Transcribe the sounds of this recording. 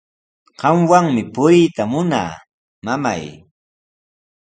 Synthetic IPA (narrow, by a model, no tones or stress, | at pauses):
ɢɑmwaŋmɪpʊjt̪amʊna̰ː | mama̰j